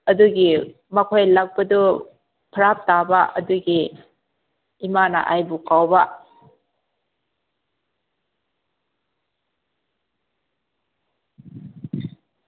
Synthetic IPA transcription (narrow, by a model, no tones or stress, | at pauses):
ɐduɡi | mɐkʰojlak̚bɐdu | pʰɐɾap̚tabɐʔɐduɡi | imanɐ̰ʔajbukawbɐ